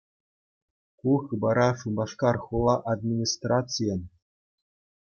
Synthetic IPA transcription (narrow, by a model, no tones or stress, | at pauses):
kuxɯbɑɾɑʂumbɑʂkɑrxulˠɑʔad̪mʲinʲist̪rat̪t͡sɨjɤn